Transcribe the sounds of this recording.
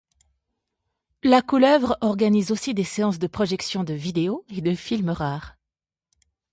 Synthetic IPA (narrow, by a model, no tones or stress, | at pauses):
lakulœvʁɔʁɡanizosid̪eseɑ̃sd̪əpχɔʒɛksjɔ̃d̪əvid̪eoed̪əfilməʁaːʁ